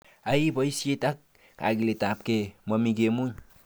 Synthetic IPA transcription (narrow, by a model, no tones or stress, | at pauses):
aipoisietak̚ | ka̰ɡiletap̚kemamiɡemun